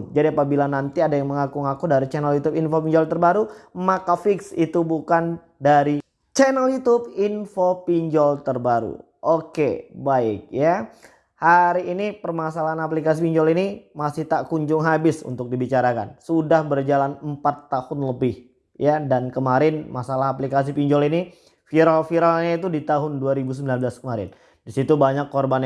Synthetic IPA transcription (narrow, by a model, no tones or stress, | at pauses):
d͡ʒadiapabilanant̪iadajaŋməŋakuŋakudaɾit͡ʃɛnɛljut̪ʊpinfopiɲd͡ʒɔlt̪ərbaɾumakafɪksit̪ubukan | daɾi | t͡ʃɛnɛljut̪ʊp̚infopiɲd͡ʒɔlt̪ərbaɾṵ | ʔokebaɪk̚ja | haɾiːnipərmasalaɦanap̬likas̬ipiɲd͡ʒɔlinimasɪht̪aʔkuɲd͡ʒʊŋɦabɪsṵnt̪ʊk̚dibit͡ʃaɾaka̰nsudahbərd͡ʒalanəmpat̪ːahʊnləbɪh | jadankəmaɾɪnmasalaɦaplikas̬ipiɲd͡ʒɔlini | fiɾalfiɾalɲait̪̬udit̪aɦʊnduaɾibus̬əmbilanblaskəmaɾɪ̰n | disit̪ubaɲakːorban